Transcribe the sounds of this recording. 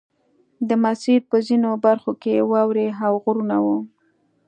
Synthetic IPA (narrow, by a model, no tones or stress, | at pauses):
d̪əmasiɾpəzinobaɾxokewɑwɾeɦawɣʊɾunawu